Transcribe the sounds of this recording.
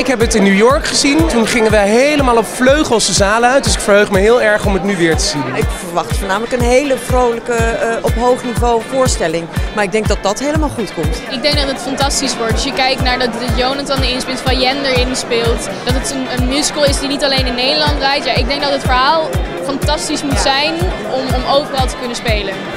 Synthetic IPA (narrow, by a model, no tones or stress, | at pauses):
ɪkɦɛpətɪnːujɔɹkχəzintunχɪŋənʋəɦejləmaːlˠɔpfløɥχəlˠsəzaːləœɥtdʏsɪkfəɹɦøɥχməɦɪːlˠɛɹχɔmɦətnyʋɪːɹtəzinɪkfəɹʋɑχtfoːɹnaːmələkənɦejləvrowləkəɔpɦowχnivowvʊːɹstɛlɪŋmaːɹɪɡ̚dɛŋɡ̚dɑt̚dɑtɦejləmaːlˠχutkɔmtɪɡ̚dɛŋɡ̚dɑtɦətfɑntɑstisʋɔɹtdɵsjəkɛjk̚naːɹdɑtdəjownatɔndəɪnspɪnˠtfɑjɛndəɹɪnspɪːlˠt | d̥ɑtətənənmjuskəlˠɪsdinitɑlejnɪnːejdəlɑntrɛjtjaːɪɡ̚dɛŋk̚dɑtɦətfəɹɦaːlˠ | fɑntɑstismutsɛjn | ɔmɔmowvərɑlˠtə̥kɵnəspejlən